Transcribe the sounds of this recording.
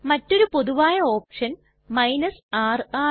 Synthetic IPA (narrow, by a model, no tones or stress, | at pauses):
mɐtːo̞ɾupo̞ðuʋaːjɐo̞ːpʂɐn | mɐjnɐsaːraː